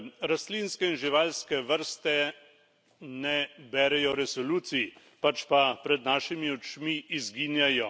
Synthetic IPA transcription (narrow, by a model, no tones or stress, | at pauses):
ɾaslinskɛinʒiʋaːlskɛʋəɾst̪ɛ | nɛbɛːɾɛjɔɾɛsɔluːt̪si | pat͡ʃpapɾɛd̪naːʃimiɔt͡ʃmiːzɡiːnjajɔ